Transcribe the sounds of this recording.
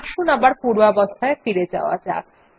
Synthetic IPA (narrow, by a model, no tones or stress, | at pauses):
kʃunambaɾpuɽwabɔst̪ʰaefiɾed͡ʑa̰oa̰d͡ʑa̰